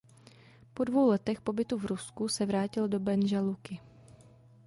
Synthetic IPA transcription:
po̞dvo̞wlɛt̪ɛxpo̞bɪt̪uvɾuskusɛvɾaːcɪldo̞bɛnʒalukɪ

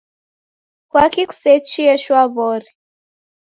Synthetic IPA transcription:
kwakiku̥set͡ʃiɛʃwaβɔri

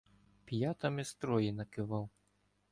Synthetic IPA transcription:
pʲjat̪ɐmʲist̪ɾɔjinɐkɪvaw

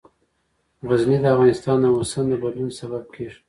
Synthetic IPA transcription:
ɣaznid̪əafɣɑnɪst̪ɑnːawosand̪əbad̪lunsabab̚kʰeʐ

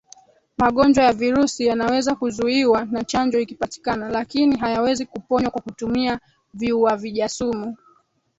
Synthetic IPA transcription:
maɠɔnd͡ʒwajaviɾusijanawɛzakuzuiwanat͡ʃand͡ʒɔikipati̥kanalakiniɦajawɛzikupɔɲwakwakutumia | viuaviʄasumu

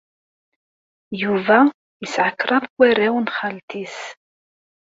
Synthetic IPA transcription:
juvæ | isʕəkːɾˤɑðˤkʷːæɾæwnχalt̪is

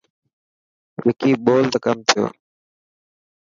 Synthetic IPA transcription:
ʋeːkiːɓoːlt̪əkəmt̪ʰɪjo̰ː

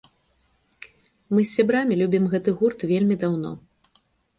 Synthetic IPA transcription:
mɨsʲːabɾamʲilʲubʲimɣɛt̪ɨɣurt̪vʲelʲmʲid̪awn̪ɔ̰

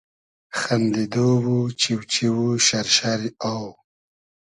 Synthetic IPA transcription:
xand̪id̪owut͡ʃiwt͡ʃiwuʃaɾʃaɾiaw

